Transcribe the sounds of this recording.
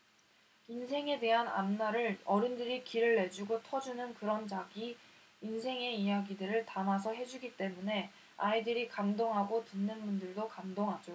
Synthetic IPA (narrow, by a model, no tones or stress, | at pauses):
insʰe̞ŋe̞de̞ɦana̰nːaɾɯɭʌɾɯndɯɾikiɾɯɭːe̞d͡ʑuɡotʰʌd͡ʑunɯnkɯɾʌnd͡ʑaɡiː | nsʰe̞ŋe̞ijaɡidɯɾɯɭtamasʰʌɦe̞d͡ʑuɡit͈e̞mune̞ | aidɯɾikamdoŋɦaɡotɯnːɯnmundɯɭdokamdoŋɦad͡ʑo